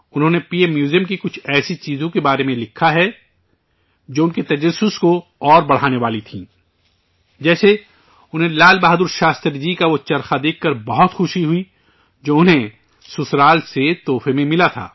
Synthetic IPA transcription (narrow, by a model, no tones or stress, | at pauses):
ʊnɦõːnepiːemjuːzijəmkikʊt͡ʃʰɛːsit͡ʃiːzõkebaːɾemẽlɪkʰːaɦɛ | d͡ʒoːʊnket̪ɐd͡ʒɐsːʊskoɔːɾbɐɽ̤aːneʋaːlit̪ʰḭ̃ː | d͡ʒɛːse | ʊnɦẽlaːlbaːɦd̪ʊɾʃaːst̪əɾd͡ʒikaʋot͡ʃɐɾxad̪eːkʰːɐɾbɐɦɔt̪xʊʃiɦʊi | d͡ʒoːʊnɦẽ | sʊsɾaːlset̪ɔːfemẽmɪlat̪ʰa̰ː